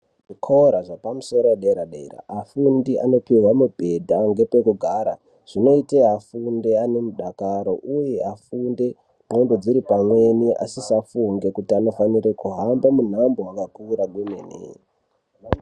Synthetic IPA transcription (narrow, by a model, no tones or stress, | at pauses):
ʐikʰoɾaʐapamuso̞ɾowaɗaeɾaɗaira̰ːfundiʔa̰no̞piɦwamubʱe̞dʱaŋɡe̞pe̞kuɡʱaːɾa | ʐ̥ino̞iteɦafunde̞ane̞muɗakaɾo̞ʔuje̞afunde̞ | bʱondo̞d͡ziɾipamwe̞nia̰sisafuŋɡe̞kutiano̞fanirekuɦambamun̤ambo̞wakapuːɾaɡumenḛ